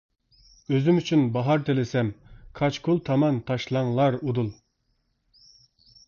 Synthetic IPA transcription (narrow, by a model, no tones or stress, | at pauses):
øzymyt͡ʃʰynbɑɦɑɾt̪ʰelɪsɛmkʰɑt͡ʃkʰulˠt̪ʰɑmɑnt̪ʰɑʃlˠɑŋlˠɑɾud̪ulˠ